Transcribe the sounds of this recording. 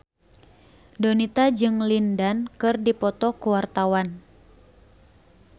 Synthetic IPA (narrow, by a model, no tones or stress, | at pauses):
donit̪ad͡ʒɨŋlindankɨrdipɔt̪ɔkuwart̪awan